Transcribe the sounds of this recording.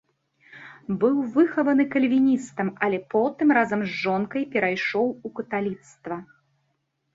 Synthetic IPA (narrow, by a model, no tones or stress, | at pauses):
bɨwvɨxɐvɐnɨkɐlʲvʲinʲist̪ɐmɐlʲɛpɔt̪ɨmɾazɐmzʐɔnkɐjpʲɛɾajʂɔwukɐt̪alʲit̪st̪vɐ